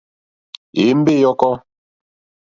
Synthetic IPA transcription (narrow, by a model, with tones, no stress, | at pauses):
e˨˦m̩˦be˦˨jɔ˦kɔ˦